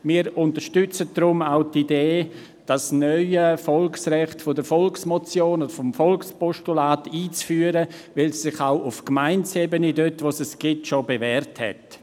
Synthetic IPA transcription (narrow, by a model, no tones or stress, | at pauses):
miːəɾʊntəɾʃtʏt͡sət̚d̥ɾʊmaʊtideː | d̥asnœʏəfɔlksrɛχtfodəɾfɔlksmɔt͡sjoːnodəɾfomfɔlkspɔʃtulaːtiːt͡sfyːəɾə | vɪlsːɪχaʊʔʊfkmaɪnt͡seːbənidøtʋosɛsɡ̥ɪtʃobevɛːɾthɛ̰t